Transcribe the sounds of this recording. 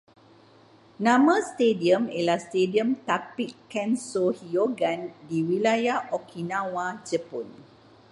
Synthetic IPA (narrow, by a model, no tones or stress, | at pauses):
nãmə̃st̪ediəmelahst̪ediəmt̪apikːɛnsohioɡandiwilajahʔɔkʰinãwad͡ʒəpɔn